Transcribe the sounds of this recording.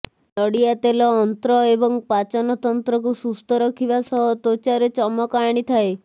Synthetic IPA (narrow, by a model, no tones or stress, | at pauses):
lɔɽiat̪elɔːnt̪ɾɔebɔŋpat͡ʃɔnɔt̪ɔnt̪ɾɔkusust̪ɔɾɔkʰibasɔɦɔt̪ot͡ʃaɾet͡ʃɔmɔkɔaɽ̃it̪ʰae